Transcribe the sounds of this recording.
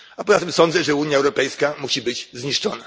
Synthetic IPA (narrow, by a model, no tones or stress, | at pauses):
apɔzat̪ɨmsɔnd̪zɛʐɛuɲjaɛwɾɔpɛjskamuɕibɘd͡ʑzɲiʂt͡ʂɔna